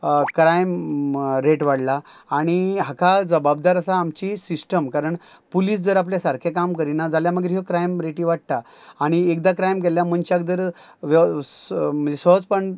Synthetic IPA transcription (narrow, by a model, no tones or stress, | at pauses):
kɾajmɾeʈʋaɽlaː | ɽ̃iɦakad͡zəbab̚d̪aɾasaːmt͡ɕisisʈəmkaɾəɳ | pulis̬d͡zəɾap̬ljasaɾkʰekamkəɾinad͡zaljaməɡɾɦɔkɾajmɾeʈiʋaʈ̚t̪aː | ɽ̃iekd̪akɾajmk̬eljaməɳɕak̚d͡z̪əɾ | ʋ | m̤ənd͡zesəɦd͡zpəɳ